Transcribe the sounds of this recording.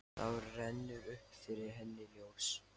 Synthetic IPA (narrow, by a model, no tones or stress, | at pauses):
awɾrɛnːʏʏhpfɪɾɪɾ̥ɦɛnːɪljoːws